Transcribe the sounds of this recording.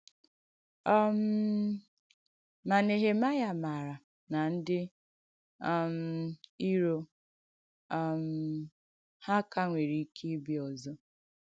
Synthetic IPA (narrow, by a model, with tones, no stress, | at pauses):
ɔ˦m̩˦ | ma˨ne˨ɦe˨ma˦ja˨ma˨ɾa˨ | na˨n̩˦dɪ˦˨ | m̩˨i˦ɾo˦˨ | m̩˨ | ha˦ka˦ŋʷe˨ɾi˨˦kʰi˦bɪ˦ɔ˨zɔ˦